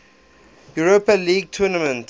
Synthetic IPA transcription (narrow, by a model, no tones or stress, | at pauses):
juɹopəliːɡ̚tʰunəmə̃nt